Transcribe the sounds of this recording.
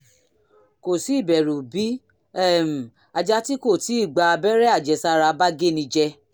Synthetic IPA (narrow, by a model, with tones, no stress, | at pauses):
ko˨si˨˦˨bɛ˨ɾu˨bi˨˦ | ɛ˦˨m̩˨ | a˧d͡ʒa˧ti˦ko˦˨ti˨˦i˦˨ɡ͡ba˧bɛ˦ɾɛ˦a˦˨d͡ʒɛ˨sa˧ɾa˧ba˦ɡe˦nĩ˧d͡ʒɛ˧